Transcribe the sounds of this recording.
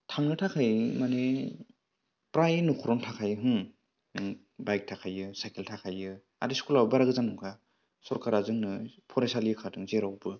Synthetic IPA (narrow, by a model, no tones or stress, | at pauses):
tʰaŋnɯtʰakʰajmane | pɾajnukʰɔɾɔntʰakʰajɯɦɯŋ | bajk̚tʰakʰajɯsajkeltʰakʰajɯ | a̰diskulabɯbaɾaɡɯzanɔŋɡʰa | sɔɾkaɾazɯŋnɯpʰɔɾesalijɯkʰatɯŋzeɾawbɯ